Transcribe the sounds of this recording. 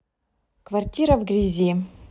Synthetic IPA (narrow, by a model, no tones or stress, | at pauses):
kvartʲiɾɐvɡrʲizʲe